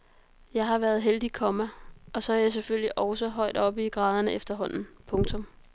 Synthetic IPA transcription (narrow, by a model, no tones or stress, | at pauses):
jɑ̈ɪɦɑ̈ʋæɐð̞ˠɦeld̥ikʰɒ̽mæɒ̽sɒ̽æjɑ̈ɪs̬eføljiʔɒʊsəɦɒ̽ɪ̰d̥ɒ̽b̥iɡ̥ʁɑːð̞ˠɐnəefd̥ɐɦɒ̽n̰n̩pʰɔ̽ŋt͡sʰɔ̽m